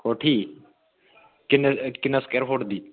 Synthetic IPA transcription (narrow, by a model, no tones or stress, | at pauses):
koʈʰiː | kɪnkɪnɐskeɾɦoʈd̪iː